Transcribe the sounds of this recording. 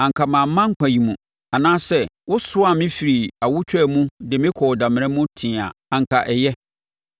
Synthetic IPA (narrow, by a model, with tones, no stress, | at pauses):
ã˨ŋ˨kʰa˨mã˨m̩˦mã˦ŋ̩˦kʰʷã˨ji˨mũ˨ | a˨nãː˦sɛ˦wʊ˦sʊ˦a˨mɪ̃˦fi˨ɾi˨a˨wʊ˦t͡ɕᶣɛ˦˨mũ˦dɪ˨mɪ̃˦kʰɔ˨dã˨mɪ̃˨ɾɛ̃˦mʊ̃˦tʰɪ̃˨a̰˨a˨ŋ̩˨kʰa˨ʔɛ˨jɛ˦